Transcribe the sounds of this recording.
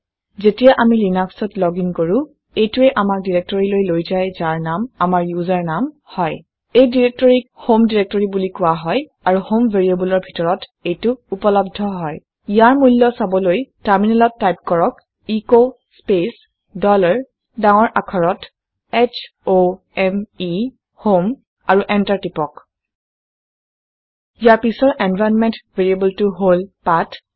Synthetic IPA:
zetijaʔamilinaksɔtlɔɡiŋkoɹũ | ejtuɛʔamak̚diɹek̚tɔɹilojlojzajzaɹnamamaɹjuzaɹnam | hɔj | ejdiɹek̚tɔɹik̚homdiɹek̚tɔɹibulikʊwaɦɔj | aɹuhomveɹiebulɔɹbʱitɔɹɔtejtʊupɔlɔb̚dʱɔɦɔj | ijaɹmulːɔsabɔlojtaɹminɛlɔtːajp̚kɔɹɔk | iko | spes | dɔlaɹ | dãŋɔɹʔakʰɔɹɔt | ɛt͡ʃʰ | o | ɛmi | hom | aɹuʔɛntaɹtipɔk | ijaɹpisɔɹʔɛnvʱajnmɛntveɹiebultuɦolpat

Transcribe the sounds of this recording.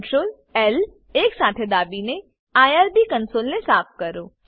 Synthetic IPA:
ʈsol | el | eksat̪ʰed̪abine | ajaɾbikənsolnesaːpʰkəɾo

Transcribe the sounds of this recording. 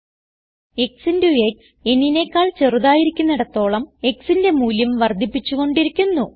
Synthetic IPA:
e̞ksindeuek | e̞nine̞ːkːaːɭt͡ɕe̞ruðaːjiɾikʲːunːɐɽɐt̪ːo̞ːɭɐme̞ksinde̞muːljɐmʋɐrd̪ʱipːit͡ɕːuɣo̞ɳɖiɾikʲːunːu

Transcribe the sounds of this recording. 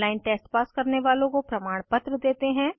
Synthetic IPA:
laːɪnʈeːsʈpaːskɐɾneʋaːlõkopɾɐmaːɽ̃pɐt̪ɾəd̪eːt̪eɦɛ̃ː

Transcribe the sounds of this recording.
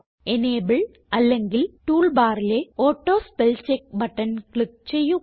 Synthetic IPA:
eneːbɐɭ | ɐlːeŋɡɪlʈuːlbaːɾileoːʈːoːspɛlt͡ʃek̚bɐʈːɐnkɭik̚t͡ɕejːu

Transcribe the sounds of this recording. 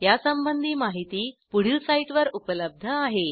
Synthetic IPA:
jasəmbənd̪ʱiːmaɦit̪iːpuɽ̤ilsaiʈʋəɾupələb̚d̪ʱəaɦe

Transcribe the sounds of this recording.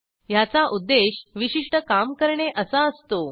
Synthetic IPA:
jat͡saʔud̪ːeɕʋiɕiʂʈəkamkəɾɳeʔəsaəst̪o

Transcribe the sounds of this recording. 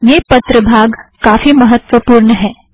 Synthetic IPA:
jeːpɐt̪ɾəbʱaːɡkaːfimɐɦət̪ːʋəpuːɾɳəɦɛː

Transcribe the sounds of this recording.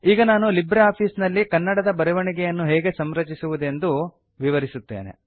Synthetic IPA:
iːɡɐnaːnulibɾeaːpʰiːsnɐlːikɐnːɐɽɐd̪ɐbɐɾɛʋɐɳiɡɛjɐnːuɦɛːɡe̞sɐmɾɐt͡ʃisuʋud̪e̞nd̪u | ʋiʋɐɾisut̪ːḛːnḛ

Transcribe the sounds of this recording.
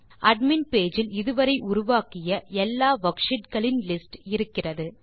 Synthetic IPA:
ʔɐɖmɪnpeːd͡ʒɪlɪðɯʋɐɾɐɪʔʊɾʊʋaːkɪjɐɛlːaːʋɐkʂɪʈkɐɭɪnlɪsʈɪɾɯkːɪrɐðɯ

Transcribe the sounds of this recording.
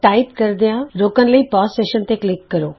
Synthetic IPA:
ʈaːɪpkɐɾd̪ijãɾoːkən̆lɐipɔːsʈeːʃənt̪eklɪkːɐɾoː

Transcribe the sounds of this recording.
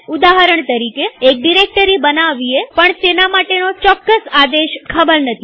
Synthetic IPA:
ud̪aɦəɾəɳt̪əɾikeːk̚ɖiɾek̚ʈəɾibənaʋiepəɳt̪enamaʈenot͡ʃɔkːəsad̪eʃkʰəbəɾnət̪ʰi

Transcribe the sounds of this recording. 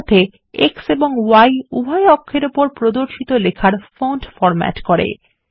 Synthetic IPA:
t̪ːe | ekseboŋwajubʱajɔkʰːeɾupoɾpɾod̪oɾʃit̪olekʰaɾfoɳɖfɔɾmɛ̰ʈkoɾḛ

